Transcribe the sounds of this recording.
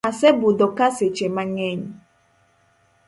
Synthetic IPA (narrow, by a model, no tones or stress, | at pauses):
asɛbudɔkaset͡ʃemaŋɛɲ